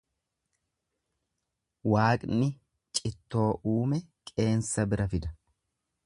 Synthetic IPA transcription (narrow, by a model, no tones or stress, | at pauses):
waːkʼnɪ | t͡ʃʼɪt̪ːo̞ːʔuːmɛkʼe̞ːnsɐbɪɾɐfɪd̪ɐ